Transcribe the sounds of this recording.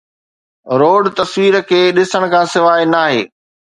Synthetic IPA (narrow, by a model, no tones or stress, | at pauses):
ɾoːɖt̪ɐsʋiːɾkʰeːɗɪsəɽ̃kʰãːsɪʋaːinaːɦḛː